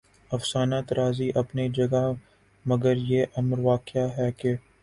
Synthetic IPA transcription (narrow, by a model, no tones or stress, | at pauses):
ɐfsaːnaːt̪ɾaːziʔɐpnid͡ʒɐɡa | mɐɡəɾjeʔɐmɾʋaːkɪaɦɛːke